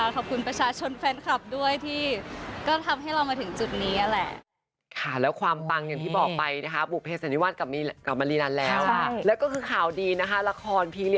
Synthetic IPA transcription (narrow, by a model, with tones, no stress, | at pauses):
a˥˩kʰɔː˨˩p̚kʰu˧npɾa˧t͡ɕʰaː˧t͡ɕʰo˧nfɛː˦˥nkʰa˨˩p̚du˥˩əjt̪ʰiː˥˩kɔː˥˩t̪ʰa˧mɦa˥˩jɾa˧wmaː˧t̪ʰɯ˩˦ŋt͡ɕu˨˩t̪̚niː˦˥ʔa˧lɛ˨˩ʔ | kʰa˥˩lɛː˦˥wkʰwaː˧mpa˧ŋja˨˩ŋt̪ʰiː˥˩bɔː˨˩k̚pa˧jna˦˥kʰa˦˥bu˨˩pʰeː˧˩saː˧˩˦ni˦˥waː˥˩t̪̚ka˨˩i˧ka˨˩p̚ma˧liː˧na˧nlɛː˦˥wʰa˥˩lɛː˦˥wkɔː˥˩kʰɯː˧kʰaː˨˩˦wdiː˧na˦˥kʰa˦˥la˧˥kʰɔː˧npʰiː˧li˧˩